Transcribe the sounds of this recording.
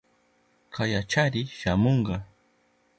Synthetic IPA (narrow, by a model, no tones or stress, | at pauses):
kʰajat͡ʃaɾɪʃamoɴɢɑ